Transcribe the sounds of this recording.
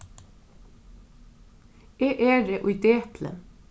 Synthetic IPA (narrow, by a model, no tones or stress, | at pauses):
eːʔeːɾeːʔʊʏd̪eːt̪ʰlə̰n